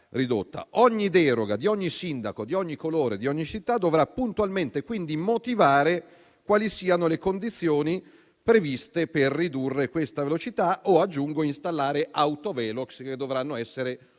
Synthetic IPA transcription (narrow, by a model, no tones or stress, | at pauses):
rid̪ot̪ːa̰ʔɔɲːid̪ɛːɾoɡad̪iɔɲːisind̪akod̪iɔɲːikoloːɾed̪iɔɲːit͡ʃit̪ːad̪ovɾapːunt̪ualment̪ekwind̪imot̪ivaːɾe | kwaːlisiːanolekond̪it̪sːjoːni | pɾevist̪eperːid̪urːekwest̪avelot͡ʃit̪aʔoad͡ʒːuŋɡoinst̪alːaːɾeʔawt̪ovɛːloksked̪ːovɾanːoɛsːeɾe